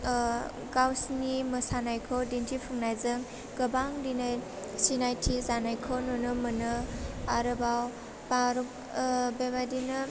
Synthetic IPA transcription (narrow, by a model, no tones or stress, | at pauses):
ɡawsnimɯsanajkʰɔwdintʰipʰuŋnajzɯŋ | ɡ̥ɯbaŋdina | sinajtʰizanajkʰɔnɔnɯmɯnɯaɾɯbaw | baɾu | bebadinɯ